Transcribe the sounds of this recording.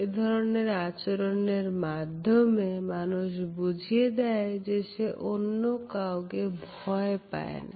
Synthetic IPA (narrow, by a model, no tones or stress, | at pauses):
ed̪ʱɔɾoneɾat͡ɕoɾoneɾmad̪ʱːomemanuʃbud͡ʑʱied̪ɛed͡ʑeʃeʔonːokawkebʱɔepa̰ḛna̰